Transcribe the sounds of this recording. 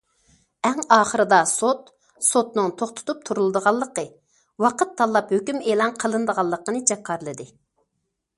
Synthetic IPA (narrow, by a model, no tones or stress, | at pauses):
ɛŋɑːχəɾɨd̪ɑsot̪ | sot̪nɨŋt̪ʰoχt̪ʰʊ̥t̪up̚t̪ʰuɾulˠɨd̪əʁɑlˠːəqə | wɑqət̪ʰːɑlˠːɑphøkʲymelˠɑnqʰəlˠɨnd̪əʁɑlˠːəqənɨd͡ʒɑqʰːɑɾlˠɨd̪ɨ